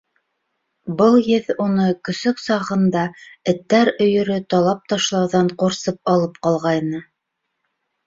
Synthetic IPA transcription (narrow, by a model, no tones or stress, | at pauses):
bɤlˠjɘðunɤkɵ̆sɵksɑʁɤ̆nd̪ɑɘ̆t̪ːæɾɵ̆jɵ̆ɾɵt̪ɑlˠɑp̚t̪ɑʃlˠɑwðɑɴqoɾsɤp̚ɑlˠɤp̚qɑlˠʁɑjnɤ